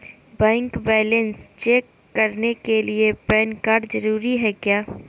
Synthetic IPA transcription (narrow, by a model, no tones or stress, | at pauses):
bɛ̃ːŋkbɛːlə̃nst͡ʃeːkːɐɾnekeliepɛːnkaɖzɐɾuːɾiɦɛkjaː